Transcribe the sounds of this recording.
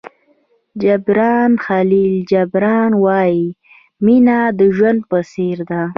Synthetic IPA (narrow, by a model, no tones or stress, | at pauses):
d͡ʒabɾɑnxalild͡ʒabɾɑnwɑji | minad̪əʒwand̪̚pəseɾd̪a